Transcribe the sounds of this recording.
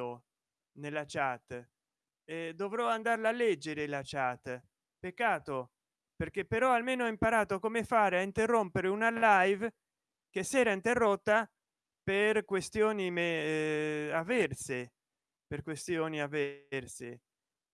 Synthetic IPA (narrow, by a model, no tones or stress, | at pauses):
o | nelːat͡ʃat̪ː | ɛd̪ovɾɔand̪arlalːɛd͡ʒːeɾelat͡ʃat̪ː | pekːaːt̪o | perk̟epːeɾɔalmeːnoɛimpaɾaːt̪okomefaːɾeaint̪erːompeɾeunalajv | kesːɛːɾaint̪erːot̪ːa | perkwest̪joːnimɛ | avːɛrse | perkwest̪joːniavːɛrsḛ